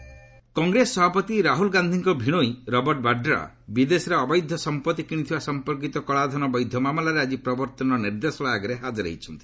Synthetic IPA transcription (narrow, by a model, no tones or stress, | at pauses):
kɔŋɡɾesɔbapɔt̪iɾaɦulɡand̪ʱiŋkɔbʱiɽ̃oiɾɔbɔɾʈbaɖɾa̰ | bid̪esɔɾeɔbɔjd̪ʱjɔsɔmpɔt̪ikiɽ̃it̪ʰibasɔmpɔɾk̬it̪ɔkɔɭad̪ʱɔnɔbɔjd̪ʱjɔmamɔlaɾead͡ʒipɾɔbɔɾt̪ɔnɔɾɔniɾd̪esɔɭaaɡɔɾeɦad͡ʒɔɾḛit͡ʃʰɔnt̪i̥